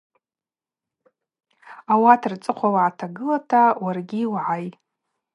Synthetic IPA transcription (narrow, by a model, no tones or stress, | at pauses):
awatʰrt͡sʼɨqʷʰawaʕatʰaɡɨlatʰawarɡʲiːwʕajʼ